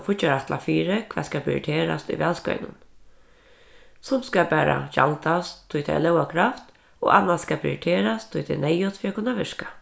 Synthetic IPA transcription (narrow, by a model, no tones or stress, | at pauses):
fʊt͡ʃaɾat̪la̰fiːɾɪkʰʋɛ̰ːðskapʰɾɪ̰ɪ̰ʈʰeːɾa̰st̪ʊ̰jʋɛːlskœ̰ʏnʊn | sʊmskapæːɾa̰ʃa̰lt̪ast̪ʰːʊjt̪ʰɛ̰jlɛʊwakʰɾaft̪ | o̰ːʔanːasskapʰɾɪ̰ʈ̪ʰeːɾast̪ʰːʊjt̪ʰɛ̰nɛjʊt̪fiːakʰʊnːaʋɪʂka